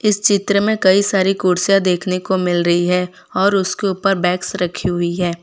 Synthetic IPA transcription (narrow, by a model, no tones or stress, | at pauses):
ɪst͡ʃɪt̪ɾəmẽkɐisaːɾikuːɾsjad̪eːkʰnekomɪlɾɐɦiɦɛ | ɔːɾʊskeuːpəɾbɛːksɾɐkʰːiɦʊiɦɛː